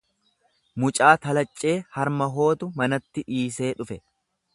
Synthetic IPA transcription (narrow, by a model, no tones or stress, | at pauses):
mʊt͡ʃʼaːt̪ɐlɐt͡ʃʼːe̞ːhɐɾmɐɦo̞ːt̪ʊmɐnɐt̪ːɪʔiːse̞ːᶑʊfɛ